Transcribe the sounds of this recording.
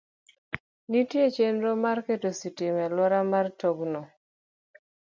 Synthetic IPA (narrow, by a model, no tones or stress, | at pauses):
nitjet͡ʃenɾomarketositɪmɛlɔɾamartoɡno